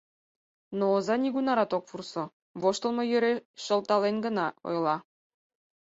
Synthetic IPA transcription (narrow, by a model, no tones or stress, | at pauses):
noːzɑnʲiɡunɑɾɑt̪okpurso | βoʃt̪ɤ̆lˠmɤ̆jø̆ɾeʃɤ̆lˠt̪ɑlˠenɡɤ̆nɑo̰jlˠɑ